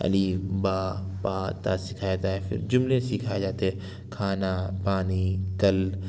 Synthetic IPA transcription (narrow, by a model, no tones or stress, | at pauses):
ɐ̰libaːpaːt̪asɪkʰaːjaːt̪aɦɛfɪ̰ɾd͡ʒʊmlesikʰad͡ʒaːt̪aɦɛ̃ | kʰaːnapaːnikɐl